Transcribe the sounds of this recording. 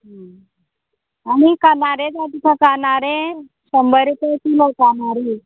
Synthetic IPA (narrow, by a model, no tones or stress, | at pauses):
ɦa | aɽ̃ikanaɾed͡zat̪ikãkanaɾẽ | səmbəɾt̪et̪ilokanaɾi